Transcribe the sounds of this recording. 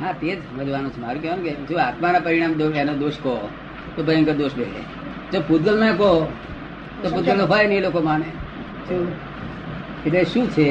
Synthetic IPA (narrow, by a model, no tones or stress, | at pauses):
ɦãt̪ed͡ʒʋəd͡ʒʋanũt͡ʃʰemaɾũkeʋonket͡ʃũaːt̪manapəɾiɽ̃ãːmd̪oenod̪oːʃkɔ | t̪opəɾəŋkəd̪oːʃbelḛ | d͡ʒoput̪ɡəlmãkɔ | t̪oput̪ɡəlofʰajnəlokomane | ʃũ | eʈleʃũt͡ʃʰe